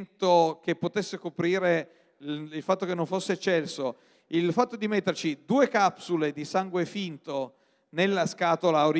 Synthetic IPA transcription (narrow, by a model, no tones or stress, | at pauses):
nt̪ok̟epːot̪esːekopɾiːɾe | ilfat̪ːokenːoɱfosːet͡ʃɛlso | ilfat̪ːod̪imet̪ːert͡ʃid̪uːekapsuled̪isaŋɡwefint̪o | nelːaskaːt̪olaoɾ